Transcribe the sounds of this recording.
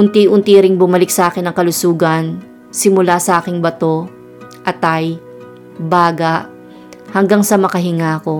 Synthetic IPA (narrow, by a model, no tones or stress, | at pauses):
ʔʊnt̪iʔʊnt̪iɾɪŋbʊmɐlɪk̚sɐʔaːkɪnːɐŋkɐlʊsuːɡɐn | sɪmʊlasɐʔaːkɪŋbɐt̪o̞ | ʔɐt̪aj | baːɡɐʔ | hɐŋɡaŋsɐmɐkɐɦɪŋaːko̞